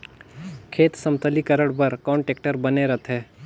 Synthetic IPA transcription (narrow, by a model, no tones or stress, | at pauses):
kʰeːt̪sɐmt̪əlikəɾəɽbəɾkɔːɳʈeːk̚ʈəɾbɐneɾət̪ʰɦɛː